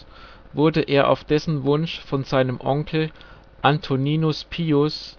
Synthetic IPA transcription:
vʊɐdəʔeːɐʔa̰ʊfd̥ɛsn̩vʊnʃfɔnzaɪnəmʔɔŋkʰl̩ | ʔantʰoniːnʊspʰiːʊs

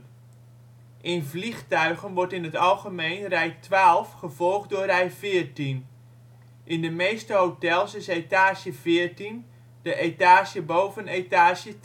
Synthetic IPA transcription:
ʔɪnvlixtœɥɣənʋɔɹtɪnətɑlˠɣəmejnrɛjtʰʋaːlˠfχəvɔlˠχtdʊːrɛjfɪərtin | ʔɪndəmejstəɦowtɛlˠsɪsetaːsjəvɪːrtin | d̥əʔetaːsjəbowvənetaːʃjə

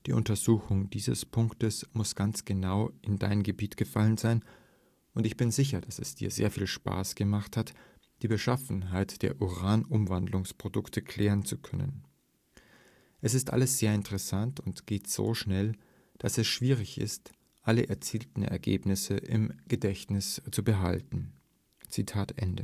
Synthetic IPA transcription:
d̥iːʔʊntɐzuːxʊŋdiːzə̰spʰʊŋktəsmʊsɡ̥ant͡sɡ̥ənaʊʔɪnda̰ɪnəmɡəbiːtɡ̥əfalənzaɪn | ʔʊntɪçb̥ɪnzɪç̬ɐd̥asɛsd̥ḭːɐzḛːɐfiːlʃpa̰ːsɡ̥əmaχthat | d̥iːbəʃafn̩ɦaɪtd̥eːɐʔuʁaːnʔʊmvandlʊŋspʁ̥odʊktʰəkʰl̥ɛːʁənt͡sukʰœnə̰n | ʔɛsɪstʔa̰ləsz̥eːɐɪntəʁɛsantʰʊntɡ̥eːtz̥o̰ːʃnɛl | d̥asɛsʃv̥iːʁ̞ɪçɪ̰st | ʔaləʔɛɐt͡siːltn̩ɛ̰ɐɡḛːpnɪsəʔɪ̰mɡ̥ədɛçnɪst͡subəɦa̰ltn̩ | t͡sitʰaːtʔɛ̰ndə̰

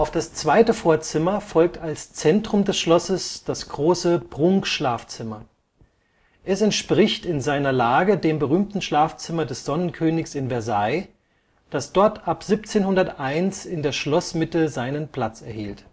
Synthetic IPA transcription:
ʔaʊfd̥ast͡sv̥aɪtəfoːɐt͡sɪmɐfɔlk̚talst͡sɛntʁ̥ʊmdɛsʃlɔsəsd̥asɡ̥ʁoːsəb̥ʁʊŋkʃlaːft͡sɪmɐ | ʔɛsɛntʃpʁ̥ɪçtɪnzaɪnɐlaːɡədeːmbəʁyːmtn̩ʃlaːft͡sɪmɐdɛsz̥ɔnənkʰøːnɪçsɪnvɛɐzaɪ | d̥asd̥ɔɐtʰʔapz̥ip̚t͡seːnhʊndɐtʔaɪnsɪndeːɐʃlɔsmɪtəzaɪnənpʰl̥at͡sɛɐhiːlt

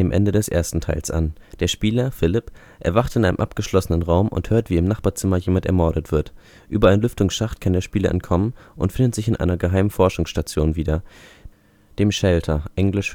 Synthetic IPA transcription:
eːmʔɛ̰ndədɛsʔḛːɐstn̩tʰaɪlsʔa̰nd̥eːɐʃpiːlɐfɪlɪp | ʔɛ̰ɐvaχtɪnʔaɪnə̰mʔa̰p̚ɡ̥əʃlɔsənənʁaʊmʔʊ̰nthøːɐtv̥iːɪmnaχpaːɐt͡sɪmɐjeːmantɛɐmɔɐɾətv̥ɪɐt | ʔyːbɐʔaɪnlʏftʊŋsʃaχtkʰandeːɐʃpiːlɐʔɛ̰ntkʰɔmənʔʊntfɪndətz̥ɪçɪnʔa̰ɪnɐɡəɦaɪmənfɔɐʃʊŋsʃtat͡sjoːnviːdɐ | d̥eːmʃɛltʰɐʔɛŋlɪʃ

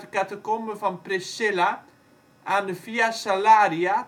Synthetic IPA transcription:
təkatəkoməvɔnprɪsɪla | ʔaːndəfiasalaːɾia

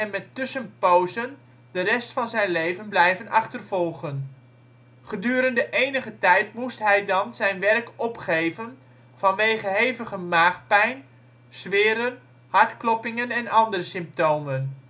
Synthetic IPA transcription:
ɛnmɛtːʏsənpowzən | dərɛstfɑnzɛjnlejvənblɛjvənɑχtərvɔlˠχən | χədyːɾəndəʔejnəχətɛjtmustɦɛjdɑnzɛjnʋɛrkɔpχejvən | v̥ɑnʋejχəɦejvəχəmaːχpɛjn | z̥ʋɪːɾən | hɑɹtklɔpɪŋənɛnɑndərəsɪmp̚towmən

